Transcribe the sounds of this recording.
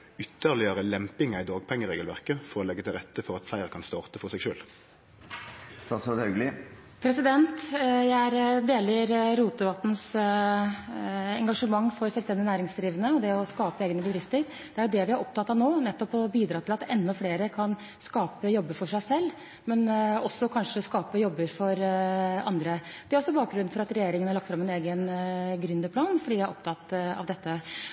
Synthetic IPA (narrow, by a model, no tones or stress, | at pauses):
ʏt̪ːəʁlɪjøːʁəlɛmpɪŋæɪd̪ɑːɡ̚pʰɛŋːəʁeːɡəlʋæʁkəfɔʁɔlɛɡːət̪ʰɪlʁɛt̪ːəfɔʁɑt̪flæɪʁəkʰɑnst̪ɑːʁt̪əfɔʁsɛɡʃø̰ːl | st̪ɑsɑt̪hɑʉɡlɪ | pʰɾɛsɪd̪ɛnt̪jæɪæɾd̪eːləɾɾuːt̪əʋɑt̪n̩s | ɛŋɡɑʂəmɑŋːfɔɾsœɛlst̪ɛnd̪ɪnæːɾɪŋsd̪ɾiːʋənəɔd̪ɛɔskɑːpəeːɡnəbəd̪ɾɪft̪əɾ | d̪̥ɛæɾjʊd̪ɛʋɪhɑɾʔɔp̚t̪ɑt̪ːɑʋnoːnɛt̪ːɔpɔbiːd̪ɾɑːt̪ʰɪlɑt̪ɛnːɔfleːɾəkʰɑn | skɑːpəjɔbːəfɔʂæɪsɛlː | mɛnɔsːɔkʰɑnʂəskɑːpəjɔbːəɾfɔɾɑ̰nd̪ɾə | d̪ɛæɾɔsːɔbɑːk̚ɡɾʉn̩fɔɾɑt̪ɾɛjeːɾɪŋənhɑɭɑkt̪fɾɑmːɛneːɡənɡɾʏnd̪əpʰlɑːnfɔɖiːjæɪæɾɔpt̪ʰɑt̪ːɑ̰ʋd̪ɛt̪ːə